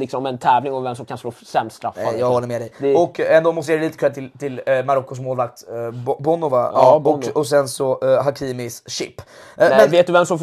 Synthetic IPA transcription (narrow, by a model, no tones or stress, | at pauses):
lɪksɔmɛnt̪ʰɛːvlɪŋɔvɛmsɔmkʰansloːsɛmst̪ɾa̰fnːajaːɡhɔlːəɾmɛd̪ɛjɔkːɛnd̪oːmɔst̪eɾɛliːt̪ə̥kʰɛːt̪ʰɪlt̪ʰɪlmaɾɔkːʊs̬moːlvak̚t̪bɔnʊvaɑɔkːɔsɛnsɔɦakʰiːmɪsɕɪpːmɛnveːt̪̚d̪ɵvɛmsɔmf